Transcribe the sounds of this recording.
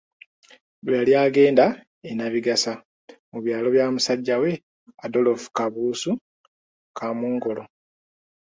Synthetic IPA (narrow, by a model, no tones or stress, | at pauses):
βjaljaːɡe̞ːnda | enaβiɡasa | muβjaːlo̞βjaːmusaɟːawe̞ | ado̞lofu̥kaβuːsu | kʰamuːŋɡo̞lo̞